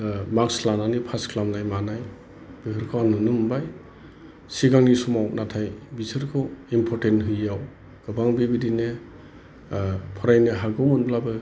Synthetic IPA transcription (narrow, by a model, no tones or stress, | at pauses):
makslananipʰaskʰlamnajmanaj | b̥ikʰɯɾkʰɔwanɯnɯmbaj | siɡaŋnisumawnatʰajbisɯɾkʰɔwimpʰɔɾtentɦɯjaw | ɡ̥ɯbaŋbibidine | pʰɔɾajnɯɦaɡɔwmunblabɯ